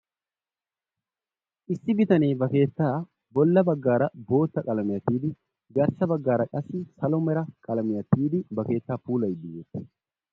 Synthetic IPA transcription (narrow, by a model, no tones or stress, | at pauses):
ʔɪsːɪbɪt̪ɐneːbɐke̞ːt̪ːaː | bɔlːɐbɐɡːaːɾɐbo̞ːt̪ːɐkʼɐlɐmɪjɐt̪iːd̪ɪ | ɡɐɾsɐbɐɡːaːɾɐkʼɐsːɪsɐlɔmɛɾɐkʼɐlɐmɪjɐt̪ːiːd̪ɪbɐke̞ːt̪ːaːpuːlɐjd̪ɪjɛt̪ː